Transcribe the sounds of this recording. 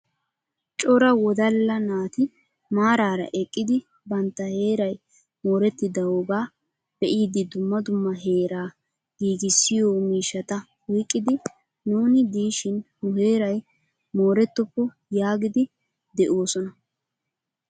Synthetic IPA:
t͡ʃʼɔɾɐwɔd̪ɐlːɐnaːt̪ɪ | maːɾaːɾɐ̰ʔɛkʼːɪd̪ɪ | bɐnt̪ːɐhe̞ːɾɐj | mo̞ːɾɛt̪ːɪd̪ɐwɔɡaː | b̥ɛʔiːd̪ɪd̪ʊmːɐd̪ʊmːɐɦe̞ːɾaː | ɡ̥iːɡɪsːɪjoːmiːʃːɐt̪ɐ | wiːkʼːɪd̪ɪ | nuːnɪd̪iːʃɪnhʊhe̞ːɾɐj | mo̞ːɾɛt̪ːɔpːɔ | jaːɡɪd̪ɪ | d̪ɛʔo̞ːsɔnɐ

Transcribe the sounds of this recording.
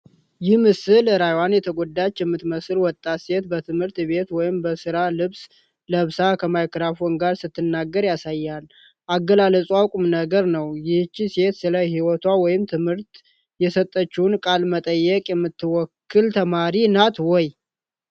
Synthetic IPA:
jɪhmɨsɨlɾajwanjɛt̪ʰəɡod̪ːat͡ʃːjɛmːɨt̪məsɨlwɔt̪ʼːase̞t̪bət̪ʰɨmhɨɾt̪be̞t̪wɔjɪmbəsɨɾalɨβs | ləβsakʰəmajkɾafɔnɡaɾsɨt̪ʰːɨnːaɡːəɾjasajːal | ʔaɡːəlaləsʼuakʼumnəɡəɾnəwjɪht͡ʃːise̞t̪sɨləhiwɔt̪ʰwawɔjɪmt̪ʰɨmhɨɾt̪ | jɛsət̪ʼːət͡ʃːunkʼalmət̪ʼəjːɛkʼjɛmːɨt̪ːɨwɔkʰːɨlt̪ʰəmaɾinat̪wɔj

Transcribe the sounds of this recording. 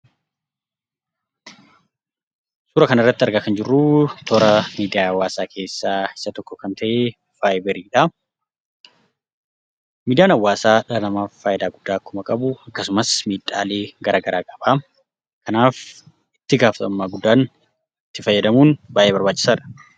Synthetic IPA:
suːɾɐkɐnɐrːɐt̪ːɪɐɾɡakɐnd͡ʒɪrːut̪ʰɔɾɐmiːd̪ɪjaːɐwːaːsaːkʰe̞ːsːaːɪ̥sɐt̪ɔkːɔkɐnt̪ʰɐʔeː | faːjɪbɛɾiːᶑɐ | miːd̪ɪjaːnɐwːaːsaːᶑnɐmaːfːaːjɪd̪aːɡʊd̪ːaːkːʊmɐkʼɐbʊɐkːɐsʊmɐsmiːᶑʼa̰ːle̞ːɡɐɾʔaːɡɐɾaːkʼɐbaː | kɐnaːf | ɪt̪ːɪɡaːfɐt̪ɐmːaːɡʊd̪ːaːn | ɪt̪ːɪfɐjːɐd̪ɐmuːnbaːjʔeːbɐɾbaːt͡ʃːɪ̥saːᶑɐ̥

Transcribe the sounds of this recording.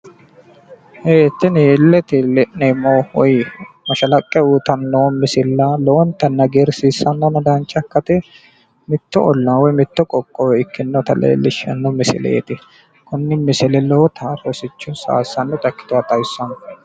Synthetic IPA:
heːt̪ːɪnelːɛt̪ɪlɛnemɐwɔjmɐʃɐlɐkʼːɛuːt̪ɐnːomɪsɪlːɐlɔwɔnt̪ɐnːɐɡeɾsiːsːɐnːonɐd̪aːnt͡ʃʼːɐkːɐt̪ɛ | mɪt̪ːɔʔɔlːɐnwɔjmɪt̪ːɔkʼɔkʼːɔwɛɪkːɪnːot̪ɐlḛːlːɪʃɐ̰nːomɪsɪ̰lḛːt̪ɪ | kʊnːɪmɪsɪlɛlɔwɔt̪ʰɐrɔsɪt͡ʃːʊsa̰ːsːɐnːɔt̪ʼɐkːɪ̥t̪ʊwat̪ʼɐjsːɐn

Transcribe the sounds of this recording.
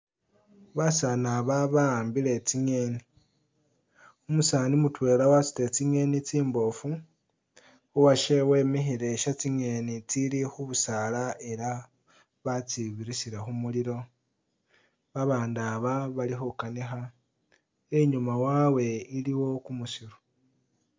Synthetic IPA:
βasanaβaβaːmbile̞t͡siɲe̞ːni | umusaːnimutwe̞ːlawasi̥te̞t͡siɲe̞nit͡siːmbo̞fu | uwaʃe̞we̞ːmixiɾe̞ʃat͡siŋe̞nit͡silixuβusalae̞ɾa | βat͡siβiɾisiɾe̞xumuliɾo̞ | βaβaːndaβaβalixukanixa | eɲumawawe̞iliwo̞kumusiɾu

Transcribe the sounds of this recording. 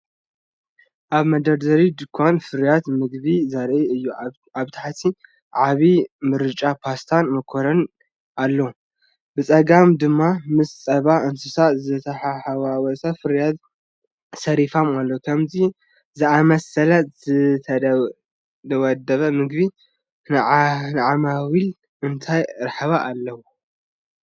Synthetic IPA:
ʔaβmɐd̪ɐɾd̪ɐɾid̪ɨkʰːanfɨɾjat̪mɨɡβizɐɾʔiɨjːu | aβt̪ʰaħt̪ʰi | ʕaβimɨɾɨt͡ʃʼapʰast̪ʰanmɨkʰoɾɐn | ʔalːo | bɨt͡sʼɐɡamd̪ɨmːamɨst͡sʼɐβaɨnsɨsazɨt̪ʰɐħaħawawɔsafɨɾjad̪ | sɐɾifamalːowkʰɐmzi | zɨamɐsɐlɐzɨt̪ʰɐ | d̪ɐwɔd̪ɐβɐmɨɡbi | nnɨʕamawil | ɨnt̪ʰajɨɾħɨβaʔːlːɐwo

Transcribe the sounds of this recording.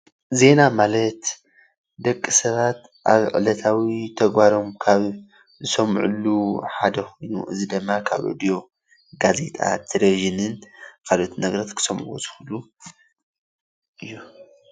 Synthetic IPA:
ze̞namalɐt̪ | d̪ɐkʼːisɐβat̪ | ʔa̰βʕɨ̰lɐt̪ʰawit̪ʰɐɡbaɾo̞mkʰaβ | zɨsɐmʕṵluħad̪ɐxojnṵʔɨ̰zid̪ɨmːakʰa̰βʔo̰d̪ijo̞ | ɡaze̞t̪ʼa̰t̪ʰɨɾeʒinɨnkʰalot̪ʰinɐɡɾɐt̪kʰɨ̥sɐmʔṵzɨhulu | ʔɨjːu

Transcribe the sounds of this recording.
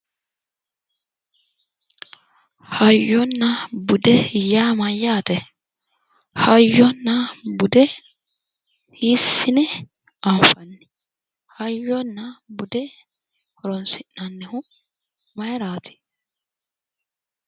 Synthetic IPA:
hɐjːɔnːɐbʊd̪ɛjaːmɐjːaːt̪ɛ | hɐjːɔnːɐbʊd̪ɛ | hiːsːɪnɛ | ɐɱfɐnːɪ̥ | hɐjːɔnːɐbʊd̪ɛ | hɔɾɔnsɪnːɐnːɛhʊ | mɐjɾaːt̪ʰɪ̥

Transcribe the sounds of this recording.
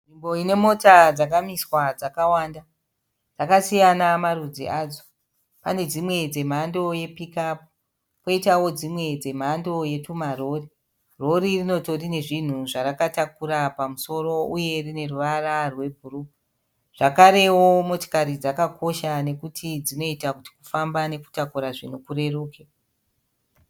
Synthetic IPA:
ʐimbo̞ine̞mo̞tad͡zak̬amiswad͡zakawaːnda | d͡zakasijanamaɾud͡zḭaːd͡zo | pa̰ne̞d͡zimwe̞d͡ze̞m̤ando̞je̞pikapu̥ | po̞itawo̞d͡zimwe̞d͡ze̞m̤ando̞je̞tumaro̞ri | ro̞ɾirino̞to̞rine̞ʐin̤uʐaɾakatakuɾapamuso̞ro̞uje̞rine̞ruʋararwe̞bʱuru | ʐ̥akaɾe̞wo̞mo̞to̥kaɾid͡zakakʰo̞ʃane̞kutʰid͡zino̞itakuti̥kufambane̞ku̥takuɾaʐin̤ukure̞ruːke

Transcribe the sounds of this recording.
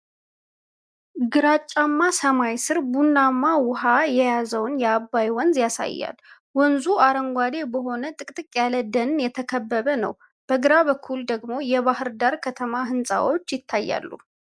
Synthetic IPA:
ɡɨɾat͡ʃʼːamːasəmajsɨɾbunːamːawʊɦajɛjazəwnjɛabːajwɔnzjasa̰jːa̰l | wɔnzuaɾəŋɡʷad̪e̞bəɦo̞nət̪ʼɨkʼt̪ʼɨkʼjaləd̪ənjɛt̪ʰəkʰəbːəβənə̰w | b̥əɡɨɾaβəkʰːuld̪əɡmo̞jɛβahɨɾd̪aɾkʰət̪ʰəmaɦɨnsʼa̰wot͡ʃːjɪt̪ʰːajːa̰lːṵ

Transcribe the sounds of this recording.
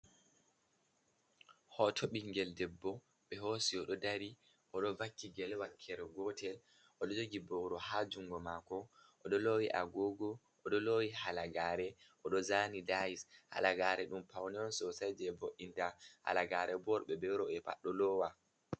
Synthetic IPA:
hɔtʰɔɓiŋɡɛldɛbːɔ | ɓɛɦosiɔɗɔdaɾi | ʔɔɗɔvakːiɡɛlwakʰːɛɾɛɡɔtʰɛl | ʔɔɗɔd͡ʒoɡibɔwɾɔhad͡ʒuŋɡɔmakɔʔɔɗɔlowiʔaɡoɡɔ | ʔɔɗɔlowihalaɡaɾɛ | ʔɔɗɔzaːnidaisha̰laɡaɾɛɗumpawnɛɔnsɔsajd͡ʒɛːboʔintaha̰laɡaːɾɛbɔɾɓɛbɛɾɔɛpa̰ɗɔlɔwa

